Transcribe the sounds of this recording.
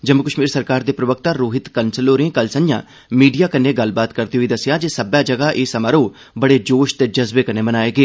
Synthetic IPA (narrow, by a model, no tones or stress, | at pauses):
d͡ʒəmʊkəʃmiːɾsəɾkaːɾd̪eːpɾəʋək̚t̪aːɾoːɦɪt̪kənsəloːɾẽːkəlsə̃njã̰ː | miːɖijaːkəneːɡəlbaːt̪kəɾt̪iːɦʊiːd̪əsɪjaːd͡ʒeːsəbjaːd͡ʒəɡaːʔeːsəmaːɾoː | bəɽeːd͡ʒoːʃt̪eːd͡ʒəzbeːkəneːmənaːeːɡeː